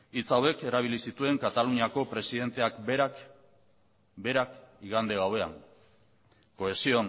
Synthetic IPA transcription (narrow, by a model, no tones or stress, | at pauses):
it͡sawe̞ke̞ɾaβ̞ilisit̪ue̞ŋkat̪aluɲako̞pɾe̞siðe̞nt̪e̞akɾak | be̞ɾakiɣand̪eɣawe̞a̰ŋ | ko̞e̞sio̞n